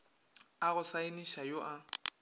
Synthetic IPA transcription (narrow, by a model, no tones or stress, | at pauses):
aɣʊsaɪniʃajoʔa